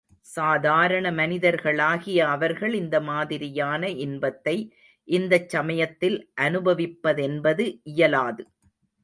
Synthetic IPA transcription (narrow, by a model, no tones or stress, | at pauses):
saːðaːɾɐɳɐmɐnɪðɐɾɣɐɭaːɣɪjɐːʋɐɾɣɐɭɪnd̪ɐmaːðɪɾɪjaːnɐʔɪnbɐt̪ːɐɪ | ʔɪnd̪ɐt͡ʃːɐmɐjɐt̪ːɪlʔɐnɯbɐʋɪpːɐðɛnbɐðɯʔɪjɐlaːðɯ